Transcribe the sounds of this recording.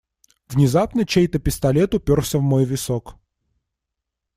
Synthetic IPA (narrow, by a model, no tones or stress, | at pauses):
vnʲɪzapnət͡ɕejt̪əpʲɪst̪ɐlʲet̪ʊpʲorfsʲəvmojvʲɪsok